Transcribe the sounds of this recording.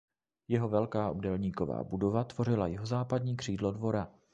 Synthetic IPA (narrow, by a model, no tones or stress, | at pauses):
jɛɦo̞vɛlkaːʔobdɛlɲiːko̞va̰ːbudo̞vat̪v̥o̞rɪlajɪɦo̞zaːpadɲiːkr̥iːdlo̞dvo̞ɾa